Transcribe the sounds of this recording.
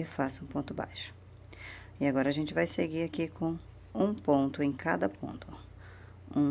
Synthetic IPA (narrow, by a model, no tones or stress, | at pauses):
ɪfasɐũpõt̪ʊba̰jʃʊ̥ | ɪaɡɔɾɐaʒẽnt͡ʃɪvajseɡiɾakikʰõw̃ | ũpõnt̪ʊẽj̃kad̪ɐpʰõ̰nt̪ʰʊ | ũ